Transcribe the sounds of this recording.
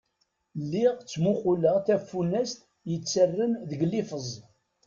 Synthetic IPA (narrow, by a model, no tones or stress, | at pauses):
lːɪʁt͡sːmuχuləʁθæfːunːæst̪ | jət͡sːərːənðəɡlifəzˤ